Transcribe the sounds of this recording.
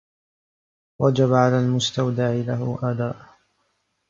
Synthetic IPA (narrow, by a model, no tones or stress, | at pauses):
wɑd͡ʒaβaʕalaːlmʊst̪awd̪aʕɪlaɦʊʔaːd̪aːʔ